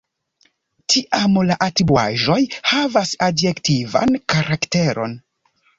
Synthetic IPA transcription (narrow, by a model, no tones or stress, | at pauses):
tʰiʔamlaʔatɾibua̰ʒo̞jhavasadjektiva̰nkaɾakte̞ɾʔo̞̰n